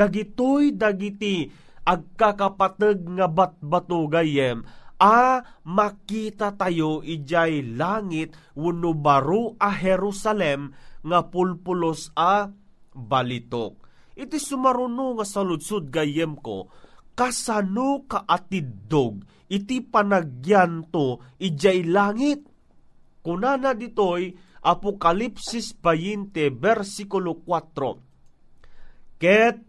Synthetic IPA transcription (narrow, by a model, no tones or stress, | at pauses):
d̪̥aɡit̪ojd̪aɡit̪i | ʔaɡ̚kakapat̪əɡ̚ŋabat̪̚bat̪oɡajɛmʔamakit̪at̪ajoʔid͡ʒajlaŋit̪̚wʊnubaɾuʔaɦɛɾusalɛmŋapʊlpʊlosa | balit̪ok̚ | ʔɪt̪isʊmaɾunoŋasalʊd̪sud̪̚ɡajɛmko̰kasanukaʔat̪id̪oɡ̚ | ɪt̪ipanaɡjant̪oʔɪd͡ʒajlaːŋit̪̚ | kʊnanad̪it̪oj | ʔapokalipsisbajint̪ɛbɛɾsikʊlokwat̪ɾo̰ | kɛt̪̚